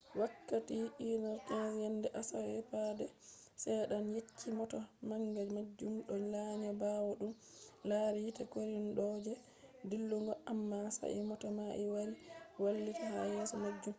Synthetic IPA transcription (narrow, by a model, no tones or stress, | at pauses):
wakːatiinaɾtanzjandɛʔasawɛpadɛsɛjɗanjet͡ʃʰːimɔtamaŋɡad͡ʒmad͡ʒːumɗɔɲlaɲabawɔɗum | laɾitakoɾinɗɔːd͡ʒɛ | dilːuŋɡɔʔamːasa̰ʔḭmɔtamaʔiwaɾiwalːitaha̰jɛsɔmad͡ʒːum